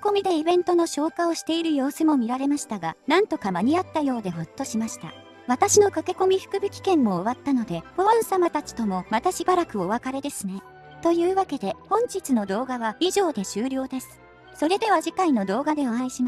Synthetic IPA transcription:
ko̞mʲid̪e̞ibẽ̞nt̪ono̞ɕo̞ːkao̞ɕi̥t̪e̞iɾɯ̟jo̞ːsɨmo̞mʲiɾaɾe̞maɕi̥t̪aɡanãnt̪o̞kamaɲ̟iat̪ːajo̞ːd̪e̞ɦot̪ːo̞ɕimaɕi̥t̪a̰ | βat̪aɕino̞kake̞ko̞mʲiɸɯ̟̥kɯ̟bʲɯ̟kʲi̥kẽ̞mːo̞ːβat̪ːano̞d̪e̞ɸoãɰ̃samat̪at͡ɕi̥t̪o̞mo̞mat̪aɕibaɾakɯ̟oβakaɾe̞d̪e̞sɨne̞ | t̪o̞jɯ̟ːβake̞d̪e̞hõ̞ɲ̟t͡ɕit͡sɨno̞d̪o̞ːɡaβaiʑo̞ːd̪e̞ɕɨːɾʲo̞ːd̪e̞sɨ̥ | so̞ɾe̞d̪e̞βaʑikaino̞d̪o̞ːɡad̪e̞oãĩɕima

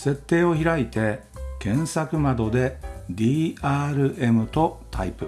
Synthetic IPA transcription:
se̞t̪ːe̞ːo̞çiɾait̪e̞kẽ̞ɰ̃sakɯ̟mad̪o̞d̪e̞d̪ʲiːaːɾɯ̟ʔe̞mɯ̟t̪o̞t̪ʰaipɯ̟

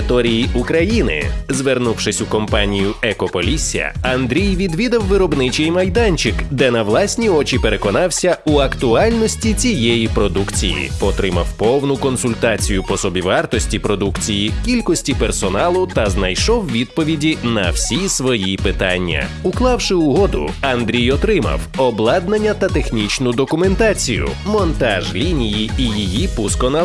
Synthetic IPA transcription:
t̪ɔɾʲijiʔukɾɐjinɪ̰zʋernuwʃɪsʲukɔmpanʲijʊɛkɔpɔlʲisʲːɐ̰ɐnd̪ɾʲijʋʲid̪ʋʲid̪ɐwːɪɾɔbnɪt͡ʃɛjmɐjd̪anʲt͡ʃɪkd̪ɛnɐwlˠasʲnʲiɔt͡ʃʲipeɾekɔnɑwsʲɐuɐkt̪ʊɑlʲnɔsʲtʲit͡sʲijɛjipɾɔd̪ukt͡sʲḭjḭpɔt̪ɾɪmɐ̰wpɔwnʊkɔnsʊlʲt̪at͡sʲijʊpɔsɔbʲiʋɑrt̪ɔsʲtʲipɾɔd̪ukt͡sʲijikʲilʲkɔsʲtʲipersɔnɑlˠʊt̪ɐznɐjʃɔwʋʲid̪̚pɔʋʲidʲinɐwsʲisʋɔjipɪt̪anʲːɐ̰ | uklˠɑwʃɪʊɦɔd̪ʊ̰ɐnd̪ɾʲijɔt̪ɾɪmɐ̰wɔblˠɑd̪nɐnʲːɐt̪ɐt̪exnʲit͡ʃnʊd̪ɔkʊment̪at͡sʲḭjʊ̰mɔnt̪ɑʒlʲinʲijiijijipuskɔna

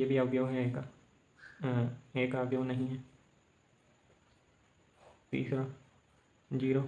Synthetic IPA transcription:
jebʱiabjoːɦɛeːka | eːkaːbjoːnəɦĩɦɛː | t̪ḭːsɾã | d͡ʒiːɾoː

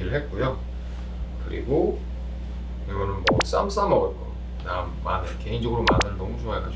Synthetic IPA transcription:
iɾɯɭhet̚k͈ojo | kɯɾḭɡo | eɡʌnɯnmʌs͈a̰ms͈amʌɡʌtk͈ʌ | namːanɯke̞ind͡ʑʌɡɯɾoma̰nɯɾɯnʌmut͡ɕʰuŋak͈a

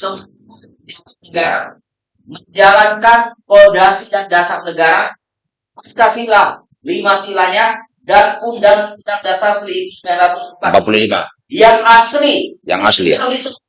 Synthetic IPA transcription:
səmu | a | diwanəɡaɾa̰ | məɲd͡ʒalankanpodasidandasarnəɡaɾa̰ | at̪asila | limasilaɲa | dankundaŋundaŋdasaslibusəmeanɾat̪usəmpa̰mpapululima̰ | jaŋaslija̰ŋa̰slḭdis

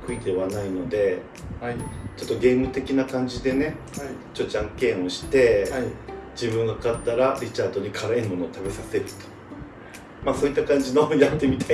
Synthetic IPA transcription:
kɯ̟id̪e̞βanaino̞d̪e̞ | t͡ɕo̞t̪ːo̞ɡe̞ːmɯ̟t̪e̞kʲinakãɲ̟d͡ʑid̪e̞ne̞ | t͡ɕot̪ːd͡ʑãŋkẽ̞o̞ɕi̥t̪e̞ | d͡ʑibɯ̟̃ŋɡakat̪ːaɾaɾʲit͡ɕaːd̪o̞ɲ̟ikʰaɾaenmo̞no̞ːt̪abe̞sase̞ɾɯ̟t̪o̥ | maso̞ːit̪ːakãɲ̟d͡ʑino̞jat̪ːe̞mʲit̪ai

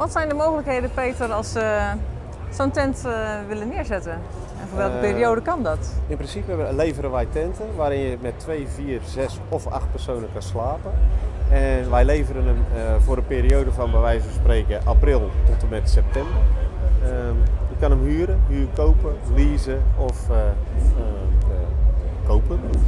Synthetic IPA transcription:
ʋɔtsɛjndəmowɣələkheːdəpeːtərɔlˠsə | sowntɛntʋɪlənɪəɹzɛtə | ɛnfʊːɹʋɛləpiːriowdəkɑndɔtɪnprɪnsipəlejvəɾənʋɛjtɛntəʋaːɾɪnjəmɛtʰːʋejviːrzɛs | ɔfa̰xt̚pɛrsownəkanslaːpəɛnʋɛjlejvəɾənəmvʊːɾəpeːɾiowdəvɔnʋaʋɛjzbəspreːkəʔaːprɪlˠtɔtəmɛtsɛp̚tɛmbər | jəkanəmɦyːəɾəhyːrkowpəliːzəɔf | kowpən

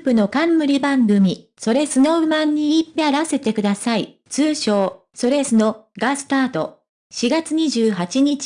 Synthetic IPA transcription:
pɯ̟no̞kãmːɯ̟ɾʲibãŋɡɯ̟mʲi | so̞ɾe̞sɨnoɯ̟mãɲ̟ːiːpʲːiaɾase̞t̪e̞kɯ̟d̪asai | t͡sɨːɕo̞ː | so̞ɾe̞sɨno̞ɡasɨ̥t̪aːt̪o̞ | ɕiɡat͡sɨɲ̟iʑɨːɦat͡ɕiɲ̟it͡ɕ

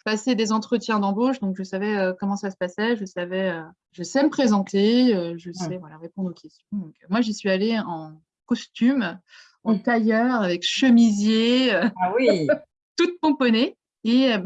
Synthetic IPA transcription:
pased̪ezɑ̃t̪χət̪jɛ̃d̪ɑ̃boʃd̪ɔ̃kʒəsavɛøkɔmɑ̃sasə̥pasɛʒəsavɛø | ʒəsɛməpχezɑ̃t̪eøʒəsɛvwalaʁepɔ̃d̪ʁokʲɛst̪jɔ̃d̪ɔ̃kmwaʒisɥialeɑ̃ | kɔst̪ym | ɑ̃t̪ajœʁavɛkʃəmizjeøawi | t̪ut̪̚pɔ̃pɔne | e

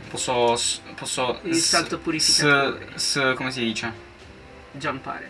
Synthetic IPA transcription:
pɔsɔspɔsːɔsalt̪opuɾifisaskomes̬id̪iːt͡ʃɛ | d͡ʒanpa̰ːɾḛ

